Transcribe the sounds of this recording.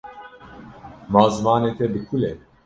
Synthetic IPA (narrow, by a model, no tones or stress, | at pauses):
maːzɨmɑːneːt̪ʰɛbɨkʰulɛ